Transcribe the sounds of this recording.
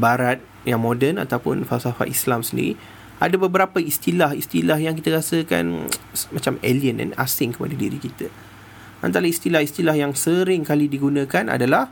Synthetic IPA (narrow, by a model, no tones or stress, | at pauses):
baɾat̪̚ | jaŋmodɛna̰t̪awpʊ̰nfalsafa̰ʔislamsəndḭɾḭ | ʔadabəbəɾapəist̪ilahist̪ilahjaŋkit̪əɾasəka̰nmat͡ʃameliənɛ̰na̰sɪŋkə̥pa̰dədiɾikit̪ə | ʔa̰nt̪aɾaist̪ilahist̪ilahjaŋsəɾɪŋkalidiɡunãkanʔa̰dalah